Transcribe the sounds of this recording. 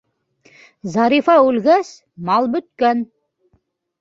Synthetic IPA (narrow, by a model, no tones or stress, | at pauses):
zɑɾifɑʉlɡæs | mɑlˠbɵ̆t̪kæn